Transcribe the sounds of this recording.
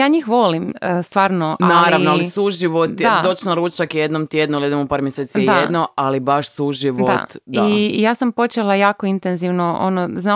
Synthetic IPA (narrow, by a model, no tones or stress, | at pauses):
jaːɲixʋo̞limst̪ʋaːɾnoʔanalːɾaʋnoalisuʒiʋot̪d̪ad̪ot͡ʃnaɾut͡ʃakjed̪nomt̪jed̪nuilid̪emopaːɾmjeseːt̪siaedd̪noalibaʃsuʒiʋdo̰t̪d̪ijaːsampo̞t͡ʃelajaːko̞int̪enziʋnoʔo̰nozna